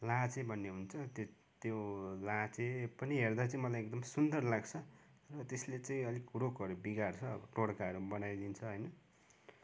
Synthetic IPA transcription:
lat͡sebʱʌnːeɦunt͡sʰʌt̪ | t̪jolat͡sepʌniɦerd̪at͡saĩmʌlajekd̪ʌmsund̪ʌrlaɡt͡sʰʌ | rʌt̪eslet͡sãĩʌlikuɾokʌɾubiɡart͡sʰʌːbʌʈoɽkaʌɾubʌnajd̪int͡sʰʌɦʌjnʌ

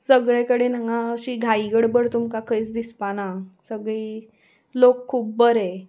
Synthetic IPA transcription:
səɡɭẽkəɽenaŋɡaəɕiːɡʱaiɡəɽbəɽt̪umkakʰəjt͡sd̪ispanasəɡɭiː | lokʰːuːp̚bəɾe

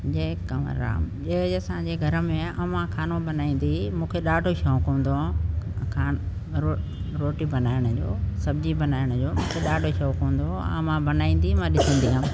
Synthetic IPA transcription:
d͡ʑeːkəmə̰ɾa̰ːm | ʄeɐsãd͡ʑeɡʱɐɾəmẽɐmãkʰaːnõbɐnaːĩːn̆d̪imũːkʰeɗaːɖʱoʃɔːkõːnd̪okʰan | o | ɾoːʈibɐnaːɪəɽ̃ʊd͡ʑo̰ːsɐbʱɪd͡ʑibɐnaːɪəɽ̃ʊd͡ʑoːmũːkʰeɗaːɖʱoʃɔːkõːn̆d̪oɐmãbɐnaːĩːn̆d̪imãɗɪsə̃nd̪iɦaːm

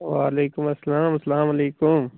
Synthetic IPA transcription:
ʋaːleːkʊmɐsːɐlaːmɐsɐlaːmɐleːkʊm

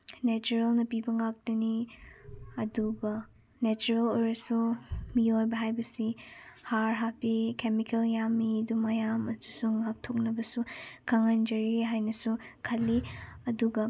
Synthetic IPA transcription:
net͡ʃuɾelnɐpibɐŋak̚dɐni | ɐduɡɐ | net͡ʃuɾelojɾɐsumijojbɐɦajbɐsihaɾɦapikemikeljamidumɐjamɐdusuŋak̚tʰok̚nɐbɐsukʰɐŋand͡ʒɐɾiɦajnɐsukʰɐlːiɐduɡɐ

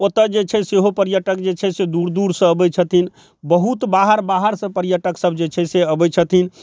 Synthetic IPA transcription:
ot̪əd͡ʒet͡ʃʰɛseɦopəɾjəʈəkd͡ʒet͡ʃʰɛsed̪uɾd̪uɾsə̃əbət͡ʃʰət̪in | bəɦut̪baɦəɾbaɦəɾsə̃pəɾjəʈəksəbʱd͡ʒet͡ʃʰɛseəbɛt͡ʃʰət̪ʰin

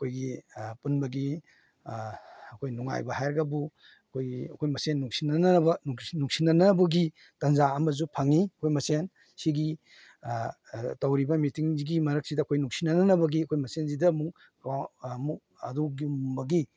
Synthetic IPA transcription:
ɐkʰojɡipunbɐɡi | ɐkʰojnuŋa̰jbɐhajɾɐɡɐbu | ɐkʰojɡiɐkʰojmɐsenːuŋsinɐnɐbɐnunuŋsinːɐnɐbɐɡi | tɐnzaɐmɐzupʰɐŋiɐkʰojmɐsen | siɡi | tɐwɾibɐmitiŋziɡimɐɾɐk̚sidɐɐkʰojnuŋsinɐnɐnɐbɐɡiɐkʰojmɐsenzidɐmuk | amu | ɐ̰duɡumbɐɡi

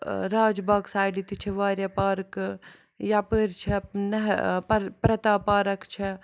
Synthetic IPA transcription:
ɾaːd͡ʒbaːɡsaːjɖit̪it͡ʃʰiʋaːɾjapaːɾk | japəɾt͡ʃʰɛnɐɦppɾɐt̪aːpaːɾɐkt͡ʃʰɐ

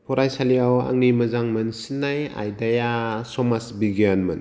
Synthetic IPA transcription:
pʰɔɾajsaliawa̰ŋnimɐzaŋmɯnsinːaja̰jdajasɔmasbiɡianmɯn

